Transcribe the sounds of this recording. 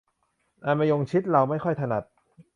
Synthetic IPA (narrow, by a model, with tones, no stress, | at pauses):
ʔa˧nma˧jo˧ŋt͡ɕʰi˦˥t̪̚ɾa˧wma˥˩jkʰɔ˥˩jt̪ʰa˧na˨˩t̪̚